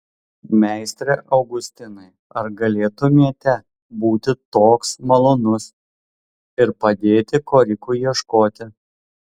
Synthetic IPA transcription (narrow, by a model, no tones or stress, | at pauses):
mʲæˑɪsʲt̪ʲɾʲeʔɐʊɡʊsʲt̪ʲɪnɐɪ | ɐɾɡɐlʲeːt̪ʊmʲiɛt̪ʲɛ | buːt̪ʲɪt̪oːksmɐlˠoːnʊs | ɪɾpɐd̪ʲeːt̪ʲɪkoːɾʲɪkuːjiɛʃkoːt̪ʲɪ